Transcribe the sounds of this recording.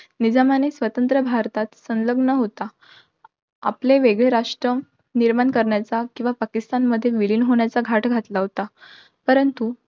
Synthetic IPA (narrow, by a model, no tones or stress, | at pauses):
nid͡zamanesʋət̪ənt̪ɾəbʱaɾt̪at̪sə̃nləɡnəɦot̪a | a̰pleʋeɡɭeɾaʂʈɾə | niɾmankəɾɳjat͡sakĩw̃ʋapakist̪anməd̪ʱːjeʋiliːnɦoɳjat͡saɡʱaʈɡʱat̪laɦot̪a | pəɾənt̪u